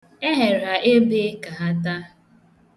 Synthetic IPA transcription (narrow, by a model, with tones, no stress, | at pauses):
e˦ɦe˨ɾa˨ʔe˦be˦ka˨ɦa˦ta˦